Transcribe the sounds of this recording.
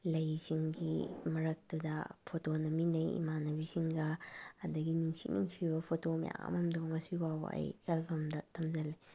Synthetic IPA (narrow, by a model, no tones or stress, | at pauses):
lɐjsiŋɡḭmɐɾɐk̚tudɐ̰pʰotonɐminɐjḭmanɐbisiŋɡɐːdɐɡinuŋsik̚nuŋsibɐpʰotomḭja̰ɐ̰mɐmdoŋɐsiwabɐ̰ɐ̰jelbomdɐtʰɐmzɐli